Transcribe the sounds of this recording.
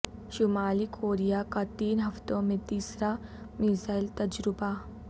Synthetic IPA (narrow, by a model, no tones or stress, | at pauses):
ʃʊmaːlikʰoːɾijakat̪iːnɦɐft̪õmẽt̪iːsɾa | miːzaːɪlt̪ɐd͡ʒɾɪba